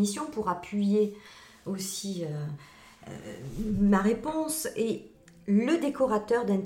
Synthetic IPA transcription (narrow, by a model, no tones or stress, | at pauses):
isjɔ̃puʁapɥije | osiø̰ | maʁepɔ̃se | ləd̪ekɔʁat̪œʁd̪ɛ̃t̪